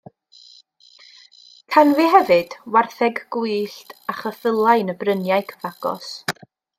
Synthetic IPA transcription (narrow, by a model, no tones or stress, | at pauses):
kʰanviɦɛvɨd̥warθɛɡɡuɨɬtʰaχəθəlˠaɨnəbrənjajkʰəvaɡ̥ɔ̰s